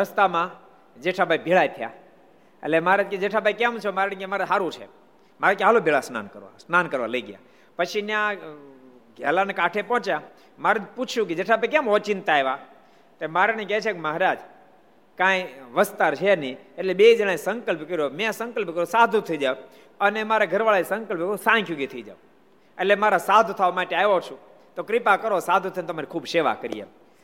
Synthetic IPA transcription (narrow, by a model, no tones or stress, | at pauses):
ɾəst̪amã | d͡ʒeʈʰabʱaibʱiɭajt̪ʰja̰ | ḛlemaɾet̪̚ked͡ʒeʈʰabʱaikɛ̃mt͡ʃʰemaɾnikemaɾɦaɾũt͡ʃʰḛ | maɾekɦalobʱiɭasna̰nkəɾʋa̰snankəɾʋa̰ləiɡja̰ | pət͡ʃʰinjã | ɡʱɛlanekaʈʰepɔ̃t͡ʃja | maɾed͡ʒput͡ʃʰjũked͡ʒeʈʰabʱaik̬ɛ̃mɔt͡ʃint̪aeʋa | t̪emaɾneket͡ʃʰekeməɦɾad͡ʒ | kãjʋəst̪aɾt͡ʃʰenieʈleɓed͡ʒəɽ̃asəŋkəlpkəɾijomɛ̃səŋkəlpkəɾjũsad̪ʱũt̪ʰəid͡ʒaʋ | ənemaɾaɡʱəɾʋaɭasə̃ŋkəlpkəɾũsãjkʰjuɡit̪ʰəid͡ʒa̰ʋ | eʈlemaɾasad̪ʱt̪ʰaʋmaʈeaot͡ʃʰũ | t̪okɾɪpakəɾosad̪ʱũt̪ʰəjnt̪maɾikʰuːbseʋa̰kəɾḭjḛ